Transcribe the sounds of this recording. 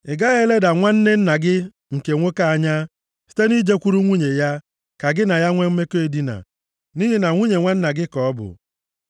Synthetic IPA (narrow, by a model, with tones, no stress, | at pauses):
ɪ˨ɡa˦ɣe˦le˦da˨ŋʷa˦n̩˦ne˦n̩˦na˨ɡɪ˦ | ŋ̩˨ke˨ŋʷo˦ka˦a˨ɲa˦ | si̥˦te˦ni˦d͡ʒe˦kʷu˦ɾu˦ŋʷu˦ɲe˨ja˦ | ka˨ɡɪ˦na˨ja˦ŋʷe˦m̩˦me˦ke˦e˨di˦na̰˨ | ni˦ɦi˦na˨ŋʷu˦ɲe˨ŋʷa˦n̩˦na˨ɡɪ˦kɔ˨˦bʊ̰˨